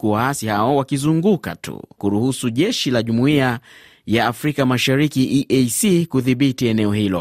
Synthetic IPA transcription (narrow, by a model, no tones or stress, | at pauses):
kuwaasihaɔwakizuŋɡuka̰tṵkuɾuhusuʄɛʃilaʄumuia | jaːfɾikamaʃaɾikiʔiʔejsikuðiɓitiɛnɛɔhilɔ̰